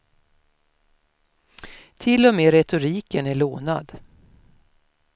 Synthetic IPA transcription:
t̪ʰɪlːɔmeːɾɛt̪ʊɾiːkənæɭoːna̰d̪

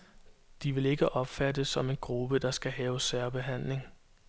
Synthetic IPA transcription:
d̥iʋe̝le̝ɡ̥əʔɒ̽b̥fædəsɒ̽me̝nɡ̥ʁub̥əd̥ɑ̈sɡ̥æɦɛːʊsæɐb̥e̝ɦæn̰le̝ŋ

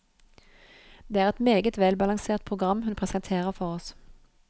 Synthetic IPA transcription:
d̪̥eːæːʁɛt̪meːɡət̪ʋɛlbɑlɑŋseːʁt̪̚pʰʁʊɡʁɑmhʉnpʰʁɛsɛnt̪ʰeːʁəʁfɔʁɔs

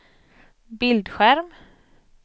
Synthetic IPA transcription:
bɪld̪ɧæɾm

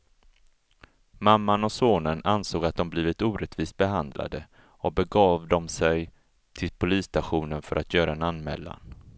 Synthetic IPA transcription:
mamːanɔsoːnənansoːɡat̪̚d̪ɔmbliːvɪt̪uːɾɛt̪viːst̪̚bɛɦand̪lʔa̰d̪ə | ɔbɛɡɑːvd̪ɔmsɛj | t̪ʰɪlpʰʊliːst̪aɧuːnənfœɾʔat̪ʰjœːɾaɛnanmɛ̰ːlːa̰n

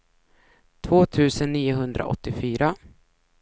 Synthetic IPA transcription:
t̪ʰvoːt̪ʰʉ̟ːsənːiːʊɦɵnd̪ɾa̰ʔɔ̰t̪ːɪfyːɾa

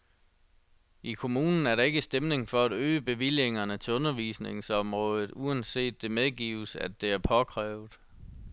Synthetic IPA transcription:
ʔikʰo̝muːnn̩æɐɾɑ̈e̝ɡ̥əsd̥emne̝ŋfɒ̽æd̥øːəb̥e̝ʋil̰je̝ŋɐnət͡sʰe̝ɔ̽nɐʋḭsne̝ŋsɒ̽mʁɔ̽ːð̞ˠð̞̩ˠuænse̝̰ːd̥ːe̝meðˠɡ̥ḭːʊəsæ̰d̥e̝æɐpʰɒ̽kʰʁɛːʊð̩ˠ

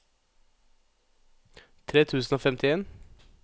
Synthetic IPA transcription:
t̪ʰɾeːt̪ʰʉːsn̩oːfɛmt̪ʰɪeːn

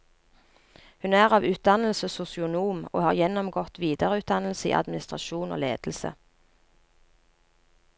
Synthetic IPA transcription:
hʉnæːʁɑːʋʉːt̪̚d̪ɑnl̩səsʊsɪʊnuːmo̰ːhɑːʁjɛnɔmɡɔt̪ʋiːd̪əʁəʉːt̪̚d̪ɑnl̩səḭːʔɑ̰d̪mɪnɪst̪ʁɑʃuːno̰ːlḛːd̪̥l̩sə̰

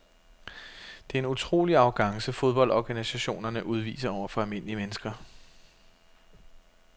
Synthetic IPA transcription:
d̥e̝æe̝nut͡sʰʁo̝̰ːliɑ̈ʊɡ̥ɑ̈ŋsəfo̝ð̞ˠb̥ɒ̽ldɒɡ̥ænisæɕo̝̰ːnɐnəʔuð̞ˠʋḭːsɐɒʊ̰ɐfɒ̽ælme̝n̰əliəmenəsɡ̥ɐ

